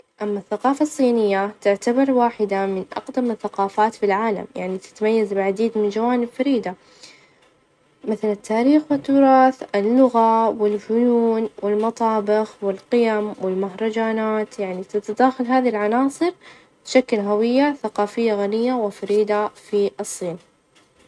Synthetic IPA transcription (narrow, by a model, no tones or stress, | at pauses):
ʔamːaθːaqɑːfɑsˤːiːnɪjːat̪ɪʕt̪abɑɾˤwaːħɪd̪amɪnʔɑ̰qd̪amɪθːaqɑːfaːt̪filʕaːla̰mjaʕnit̪ɪ̥t̪amajːazbɪʕad̪iːd̪mɪnd͡ʒawaːnɪbfaɾiːd̪a | mɪθalat̪ːaːɾiːxwɪt̪ːʊɾˤɑːθɪlːʊɣawɪlfʊjuːnwʔɪlmɑt̪ˤɑːbɪxwɪlqɪjamwɪlmaɦɾˤɑd͡ʒaːnaːt̪jaʕnit̪at̪ad̪aːxalɦaːðilʕanɑːsˤɨɾ | bʃaklɦawɪjːaθaqɑːfɪjːaɣanɪjːawɪfaɾiːd̪afiɨsˤːiːn